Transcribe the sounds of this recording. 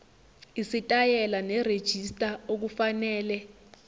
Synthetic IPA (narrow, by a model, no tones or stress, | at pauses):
isitʼajɛlanɛred̥ʒ̥ʱistʼaok̬ufanɛːlɛ